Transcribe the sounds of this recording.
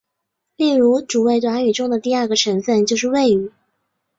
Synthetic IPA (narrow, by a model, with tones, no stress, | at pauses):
li˥˩ŋɻu˧˥ʈ͡ʂu˨˩we˥˩ɪt̪̬wa˧˥ny˨˩ʈ͡ʂʊ˥ŋd̪ə˨t̪i˥˧a˞˥˩ɡə˩ʈ͡ʂʰɤ˧˥ŋfə˥˧nt͡ɕjo˥˧ʊʂ̬ɻ̩˥˧we˥˩ɪy˨˩˦